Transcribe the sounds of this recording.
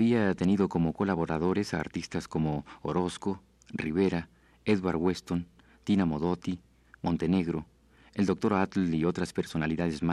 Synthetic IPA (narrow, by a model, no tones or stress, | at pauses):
βiat̪e̞niðo̞ko̞mo̞ko̞laβo̞ɾaðo̞ɾe̞sa̰ːɾt̪ist̪asko̞mo̞oɾo̞sko̞ | riβe̞ɾa | eðwaɾɣwest̪o̞n | t̪inamo̞ðo̞t̪i | mo̞nt̪e̞ne̞ɣɾo̞ | eld̪o̞k̚t̪o̞ɾat̪io̞t̪ɾaspe̞ɾso̞naliðaðezma